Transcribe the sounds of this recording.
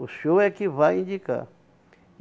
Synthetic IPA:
usowɛkɪvajĩnd͡ʒika̰ɾ

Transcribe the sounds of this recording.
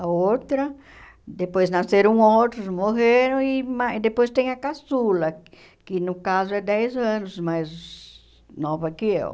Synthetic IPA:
aowt̪ɾɐ | d̪epojznaseɾõowt̪ɾʊsmoheɾɐ̃w̃imaid̪epojst̪ẽj̃ɐkasulɐ | kɪnʊkazoɛd̪ɛjzɐ̃nʊsmajz | nɔvɐkɪḛw

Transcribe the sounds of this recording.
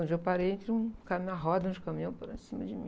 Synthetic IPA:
d͡ʒewwpaɾejẽnt̪ɾɪũkamĩɐɦɔd̪ɐõd͡ʒɪkɐ̃mĩõpoɾɐsĩmɐd͡ʒɪmĩ

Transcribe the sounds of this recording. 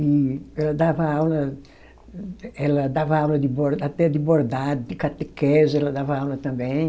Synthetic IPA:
iɛlad̪avaawlɐ | ɛlad̪avawlɐd̪iboɾat̪ɛd̪iboɾd̪ad̪d̪ikat̪ekɛzɛlad̪avawlɐt̪ãmbɛj

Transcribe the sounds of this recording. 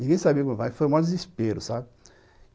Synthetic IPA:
nĩɡẽj̃sabiɐkõmʊvajfojũmawdd͡ʒɪzispeɾʊsabɪ

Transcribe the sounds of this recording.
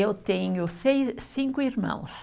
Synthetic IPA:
ewt̪ẽɲʊsejsĩŋkʊiɾmɐ̰̃w̃s

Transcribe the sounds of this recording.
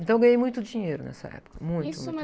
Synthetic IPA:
ẽnt̪ɐ̃w̃ɡɐ̃ɲejmũj̃t̪ʊd͡ʒiɲejɾʊnɛ̰sɐ̰ɛ̰pʊ̥kɐmũj̃t̪

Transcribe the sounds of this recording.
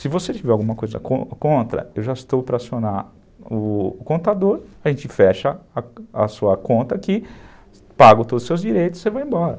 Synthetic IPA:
sɪvoset͡ʃivɛɾawɡũmɐkojzɐ̰kõkõnt̪ɾɐ̰ewʒaɪst̪owpɾɐasiona | ʊːkõnt̪ad̪oɾɐʒẽnt͡ʃɪfɛʃɐɐ̰suɐkõnt̪ɐkɪ | paɡʊt̪od̪ʊsewzd͡ʒiɾejt̪ʊ̥sevaẽmbɔɾɐ

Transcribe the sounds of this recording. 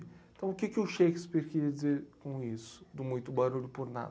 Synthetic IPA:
t̪ɐ̃w̃ʊkɪkɪʊʃejkɪspiɾkɪɾiɐd͡ʒɪzeɾkõisʊ̥d̪ʊmũj̃t̪ʊbaɾuʎʊpʊɾna̰d̪

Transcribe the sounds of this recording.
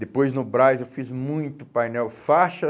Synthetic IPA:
d̪epojznʊbɾajewfizmũj̃t̪ʊpajnɛwfaʃɐ

